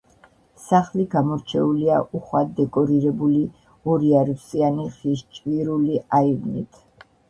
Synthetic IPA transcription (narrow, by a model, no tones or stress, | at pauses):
saχliɡamɔɾt͡ʃʰɛuliaʔuχwad̪ɛkʼɔɾiɾɛbuli | ɔɾiaɾipsʼianiχiʃt͡ʃʼviɾuliaivnḭt̪ʰ